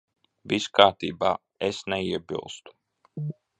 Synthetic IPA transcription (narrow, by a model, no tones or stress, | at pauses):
viskaːɾt̪iːbaː | esnɛiɛbḭlˠst̪u̥